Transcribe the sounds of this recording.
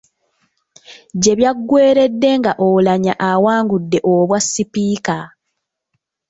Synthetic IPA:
ɟe̞βjaɡːwe̞ːɾe̞dːe̞ŋɡaʔolaɲaʔawaːŋɡudːe̞ʔoβwasːipiːka

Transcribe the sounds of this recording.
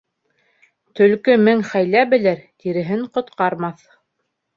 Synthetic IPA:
t̪ɵ̆lkɵmɘŋχæjlæbɘ̆lɘɾt̪iɾɘ̆ɦɘɴqŏt̪qɑɾmɑθ

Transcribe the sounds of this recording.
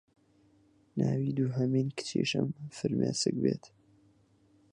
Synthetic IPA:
naːwiːd̪uːɦɐmiːnkɨ̥t͡ʃʰiʃəmfɨɾmʔeːsɨk̚beːt̪

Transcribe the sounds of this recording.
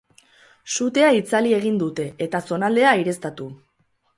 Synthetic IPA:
sut̪e̞ait͡salie̞ɣ̞ind̪ut̪e̞ːt̪aso̞nald̪e̞aiɾe̞st̪at̪u

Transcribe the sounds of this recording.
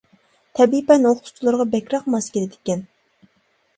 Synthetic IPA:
t̪ʰɛbipɛnoχt̪ʰu̥t͡ʃ̪ʰlˠɨɾʁɑbɛkʲɾɑq̚mɑskʲilɪd̪ɪ̥kʲɛn

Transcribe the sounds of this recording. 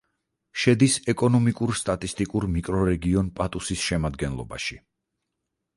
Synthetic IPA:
ʃɛd̪isɛkʼɔnɔmikʼuɾst̪ʼat̪ʼist̪ʼikʼuɾmikʼɾɔɾɛɡiɔnpʼat̪ʼusisʃɛmad̪ɡɛnlˠɔ̰ba̰ʃi

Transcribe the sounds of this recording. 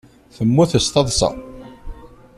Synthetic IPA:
θəmːuθəst̪ɑðˤsɑ̰

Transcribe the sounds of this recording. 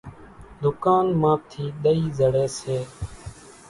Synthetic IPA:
d̪ʊkaːnmãːp̚t̪ʰiːɗ̪əiːzəɽeːseː

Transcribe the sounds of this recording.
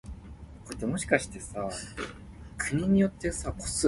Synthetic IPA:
koɾet̪ːemo̞ɕi̥kaɕi̥t̪e̞sa | kʰɯ̟ɲ̟iɲ̟ijo̞t̪ːe̞sakʰo̥s

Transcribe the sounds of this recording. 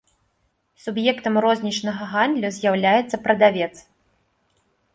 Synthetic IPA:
subjɛkt̪ɐmrɔzʲnʲit͡ʂnɐɣɐɣand̪lʲuzʲjawlʲajɛt̪sːɐpɾɐd̪avʲɛt̪s

